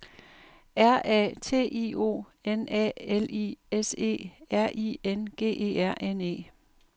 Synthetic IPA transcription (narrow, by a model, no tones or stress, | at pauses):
æɐ̰ʔɛ̰ːt͡sʰe̝̰ːʔio̝̰ː | enɛ̰elḭese̝̰ːæɐ̰ʔḭːenɡ̥e̝̰ːʔe̝̰ːæɐ̰ʔene̝̰ː